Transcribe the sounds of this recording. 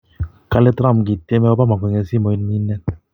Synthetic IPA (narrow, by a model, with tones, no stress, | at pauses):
ka˦le˦tɾa˦˨m˨ɡi˨te˦mɛ˦ɔ˦ba˦ma˨kʷɛ˨ŋɛ˨si˦˨mɔ˨i˦n˦mi˦nɛ˦n